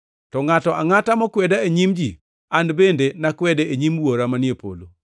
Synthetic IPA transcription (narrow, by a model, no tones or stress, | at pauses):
tɔŋatɔʔaŋatamɔkwɛdaeɲimd͡ʒi | anbendenakwɛdeeɲimwoɾamanjepo̰lo